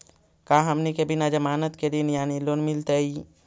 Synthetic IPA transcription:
kaɦəmnikebinad͡ʒəmaːnət̪ked̪injaːnilonmilt̪əi

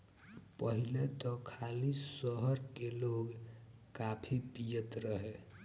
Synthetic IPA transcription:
pəɦilet̪ɔkʰalisəɦəɾkeloɡ | kapʰipijət̪ɾəɦe

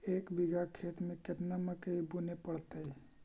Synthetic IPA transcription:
eːkbiɡakʰeːt̪mẽket̪naməkəibunepəɽt̪əi

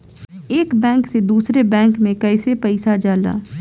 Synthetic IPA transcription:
eːkbɛ̃ːŋksed̪uːsɾebɛ̃ːŋkmẽkɐɪsepɐɪsad͡ʒaːla̰ː

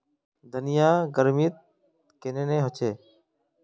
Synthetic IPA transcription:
d̪ənɪjaːɡəɾmit̪̚ | keneːnẽːɦət͡ʃʰeː

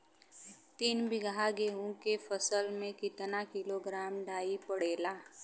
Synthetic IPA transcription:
t̪iːnbɪɡɦaɡeːɦõkepʰəsəlmẽkɪt̪nakɪloɡɾaːmɖaːipəɽeːlaː

